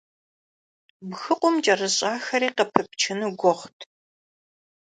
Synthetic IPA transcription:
bxɨqʷʊmt͡ʃʼɐrɨɕʼaːxɐɾiːqɐpʰɨpt͡ʃʰɪnɨɡʷɔχʷtʰ

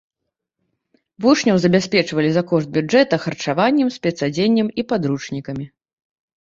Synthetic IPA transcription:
vuʂnʲɐwzɐbʲasʲpʲɛt͡ʂvɐlʲizakɔʐt̪̚bʲuɛt̪ɐxɐrt͡ʂavanʲːɛmsʲpʲɛt̪sad͡zʲenʲːɛmipad̪ɾut͡ʂnʲikɐmʲi

